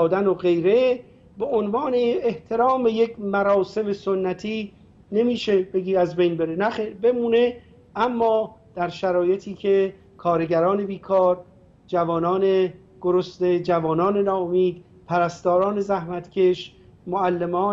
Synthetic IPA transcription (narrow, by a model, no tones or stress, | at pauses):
d̪ænoɣe̞jɾe̞ | be̞ʔonvɒːneːht̪ʰe̞ɾɒːmbejecʰmæɾɒːse̞mesonːæt̪ʰiː | ne̞miːʃe̞beɡiːæzbe̞jnbe̞ɾe̞næxebe̞muːne̞ | ʔæmːɒːd̪̥æɾʃæɾɒːje̞t̪ʰiːcʰe | kʰɒːɾeɟæɾɒːne̞biːkʰɒːɾ | d͡ʒævɒːnɒːne | ɡ̥oɾost̪e̞d͡ʒævɒːnɒːne̞nɒːomiːd̪̥̚ | pʰæɾæst̪ɒːɾɒːne̞zæhmæt̪cʰʲe̞ʃ | moælːe̞mɒː